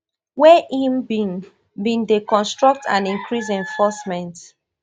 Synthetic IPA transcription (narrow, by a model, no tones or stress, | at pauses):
wɛʔĩnbĩŋ | bĩndekɔ̃nstɹɔk̚tʰã̰nĩŋkɹis̬ɛ̃ɱfɔsmɛ̃nt